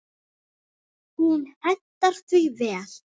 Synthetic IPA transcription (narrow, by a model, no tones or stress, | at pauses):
hunɛt̪ːaɾ̥θʏjvɛːal̥